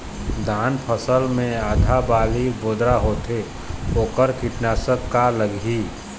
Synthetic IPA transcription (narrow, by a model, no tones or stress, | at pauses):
d̪ʱaːnpʰəsəlmẽaːd̪ʱabaːliboːd̪ɾaɦoːt̪e | oːkəɾkiʈnaːsəkːaləɡi